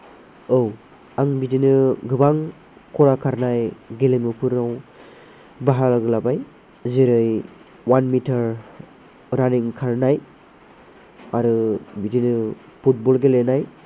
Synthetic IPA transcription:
ow | aŋbidinɯɡɯbaŋ | kɔɾakʰaɾnajɡelemɯpʰɯɾaw | baɦalaɡɯlabaj | ziɾɯj | wanmitʰaɾ | ɾaniŋkʰaɾnaj | aɾɯbidinɯ | pʰut̚bɔlɡelenaj

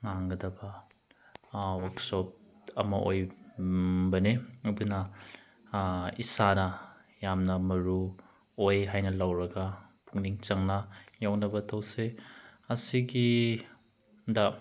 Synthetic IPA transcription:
ŋaŋɡɐdɐbɐ | waksɔp̚ɐ̰mɐʔoj | bɐneɐdunɐ | isanɐ | jamnɐmɐɾu | ojɦajnɐlawɾɐɡɐpʰuŋniŋt͡ʃɐŋnɐjawnɐbɐtʰɐwseɐsiɡi | dɐ

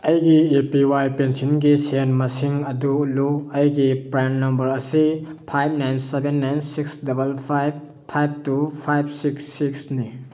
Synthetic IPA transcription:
ɐjɡiepiwajpensinɡisenmɐsiŋɐduluɐjɡipɾanːɐmbɐɾɐsipʰajb̚najnsebenːajnsiksdɐbɐlpʰajb̚ | pʰajb̚tupʰajb̚siksːiksni

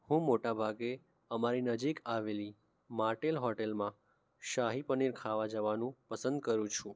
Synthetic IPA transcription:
hũmoʈabʱaɡe | əmaɾinəd͡ʒikaʋeli | maʈelɦɔʈelmã | ʃaɦipəniɾkʰaʋad͡ʒəʋanũpəsənd̪̚kəɾũt͡ʃʰũ

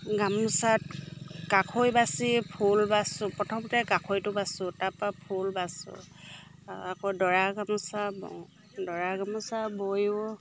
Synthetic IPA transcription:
ɡamusatkakʰojbasipʰulbasʊpɹɔtʰɔmtɛkakʰojtʊbasʊtapapʰulbasʊ̰ | akɔdɔɹaɡamusabɔ̰ | dɔɹaɡamusabojʊ

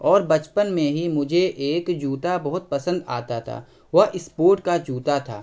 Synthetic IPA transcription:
ɔːɾbɐt͡ʃpənmẽɦimʊd͡ʒʱeʔeːkd͡ʒuːt̪abɐɦʊt̪̚pɐsə̃nd̪a̰ːt̪at̪ʰa̰ː | ʋɐɦʔɪspoːɾʈkad͡ʒuːt̪at̪ʰa̰ː

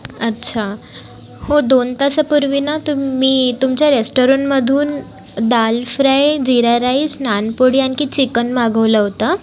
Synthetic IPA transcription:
ətːɕʰa | hod̪ont̪asəpuɾʋinat̪umiːt̪umt͡ɕjaɾesʈoɾɔɳməd̪ʱuːn | d̪alfɾajd͡ʑiɾaɾaisnanpoɽiankiːt͡ɕikənmaɡʱəʋləɦot̪a

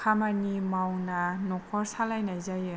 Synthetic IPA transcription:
kʰamanimawnanɔkʰɔɾsalajnajzajɯ

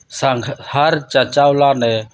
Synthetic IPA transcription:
sahaɾt͡ʃat͡ʃawlanɛ

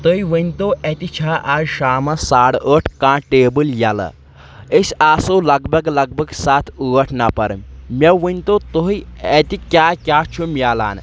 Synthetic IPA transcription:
t̪əiʋənʲt̪oʔet̪it͡ʃʰaːʔazʃaːmɐsaɽəʈʰkãːʈeːbɨljalə̰ | esaːsolɐɡbʱɐɡlɐɡ̚bʱɐɡsaːt̪ʰuɣɐʈʰnapɐɾmmʲɐʋənʲt̪ot̪oiet̪ikʲaːkʲaːt͡ʃʰumʲjala̰ːn

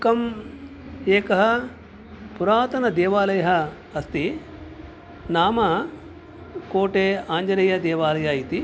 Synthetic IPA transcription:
kɐm | eːkɐɦɐ | puɾaːt̪ɐnɐd̪eːʋaːlɐjɐɦɐ | ɐst̪i | naːmɐ | koːʈeːaːɲd͡ʒɐɾɐjɐd̪ɛːʋaːlɐjɐit̪i

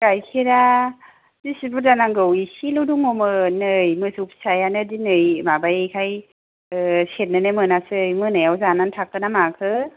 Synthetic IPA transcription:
ɡ̥ajkʰiɾa | zisibuɾzanaŋɡɯwisiluwduŋomɯnɯjmɯsup̚sajanɯdinɯjmabajejkʰaj | set̚nanɯmɯnasɯjmɯnɯjawzanantʰakɯnamakʰɯ

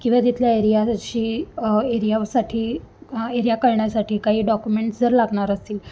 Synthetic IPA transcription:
kĩʋat̪it̪ʰljaeɾijaɕiːeɾijasaʈʰiːeɾijakəɾɳjasaʈʰiːkaɦiːɖɔkjumeɳʈsd͡zəɾlaɡɳaɾəst̪iːl

